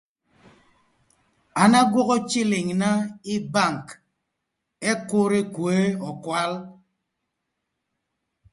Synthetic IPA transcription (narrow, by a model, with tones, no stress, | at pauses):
a˨na˦ɡwɔ˦ɣɔ˦t͡ʃi˦li˨ŋna˦i˦ba˦˨ŋ˨k | e˦ko˦ɾe˦kwe˦ɔ˨kwa˦l